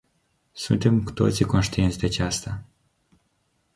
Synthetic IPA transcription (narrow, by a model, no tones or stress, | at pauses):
sunt̪e̞mku̥t̪o̞̰t̪siko̞nʃt̪ient̪sʲd̪eat͡ʃast̪a